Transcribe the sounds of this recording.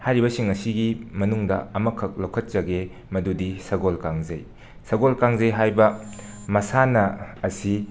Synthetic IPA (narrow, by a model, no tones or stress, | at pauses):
hajɾibɐsiŋɐsiɡimɐnuŋdɐ̰ɐmɐkʰːɐk̚lɐwkʰɐt̚t͡ʃɐɡe | mɐdudisɐɡolkaŋzɐj | sɐɡolkaŋzɐjɦajbɐ | mɐsanɐːsi